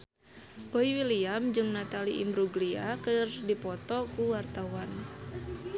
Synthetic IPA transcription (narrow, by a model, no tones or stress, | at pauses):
boiwiliamd͡ʒɨŋnat̪aliʔḭmbɾuɡliakɨrdipɔt̪ɔkuwart̪awan